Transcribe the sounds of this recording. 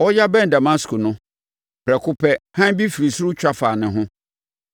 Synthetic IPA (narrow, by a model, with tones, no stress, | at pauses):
ɔ˦ja˦bɛ̃˦n˨da˨ma˦skʰʊ˨nʊ̃˦ | b̥ʰɾɛ˨kʰʊ˦pʰɛ˦hã˦bi˦fi˨ɾi˨sʊ˦ɾʊ˦t͡ɕᶣa˦faː˨nɪ̃˨ɦʊ̃˦